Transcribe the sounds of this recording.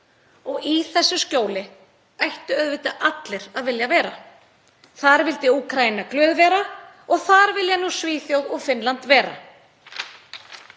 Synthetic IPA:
ɔɣiθɛsːʏscoːwlɪ | ajht̪ʏœðvɪt̪aʔat̪lɪɾaðvɪljavɛːɾa | θaɾvɪlt̪ɪuːkʰɾajinaklœːðvɛːɾa | ɔɣθaɾvɪljanuːsviːθjowðɔɣfɪnlant̪vɛːɾa̰

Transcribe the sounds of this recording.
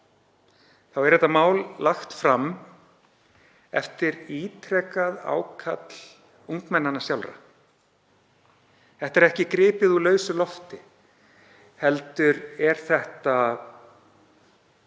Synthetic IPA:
θawɛɾɛht̪amaːwlːaxt̪fɾam | ɛ̰ft̪ɪɾiːt̪ʰɾɛkaða̰wkʰat̪l̥ | uŋkmɛnːanːasjawlɾa̰ | θɛht̪ɛɾɛhcɪkɾɪːpɪðulœːɥsʏlɔft̪ɪ | hɛlt̪ʏɾɛɾ̥θɛht̪a

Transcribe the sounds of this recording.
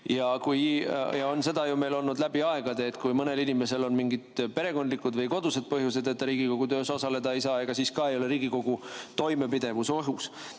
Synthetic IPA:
jɑkujjɑo̞nse̞d̪ɑjume̞jlo̞lnud̪læb̥iɑe̞ɡ̥ɑd̪̥e̞ːt̪ːˑkujmɤne̞linime̞se̞lo̞nmiŋɡid̪̥pe̞ɾe̞ko̞nd̪likːˑud̪vɤjko̞d̪use̞d̪̚pɤɦjuse̞d̪et̪ːɾiːɡ̥iko̞ɡ̥ut̪øːso̞sɑle̞d̪ɑe̞jsɑːe̞ɡ̥ɑsiːskɑe̞jo̞le̞ɾiːɡ̥iko̞ɡ̥ut̪o̞jme̞pid̪e̞vusoɦus

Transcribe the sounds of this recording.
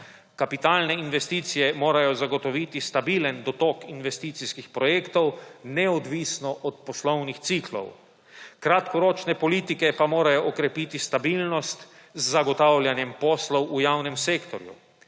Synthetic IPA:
kapit̪aːlnɛinʋɛst̪iːt̪sijɛmoːɾajɔzaɡɔt̪ɔʋit̪ist̪abilənd̪ɔt̪okinʋɛst̪it̪siskixpɾɔjeːkt̪ɔwnɛɔd̪ʋisnɔʔɔt̪̚pɔslɔwnixt̪siklɔ̰w | kɾat̪kɔɾoːt͡ʃnɛpɔliːt̪ikɛpamoːɾajɔʔːkɾɛpit̪ist̪abilnɔst̪ | zːaɡɔt̪awlʲjanjɛmpɔːslɔwujawnɛmseːkt̪ɔɾjṵ

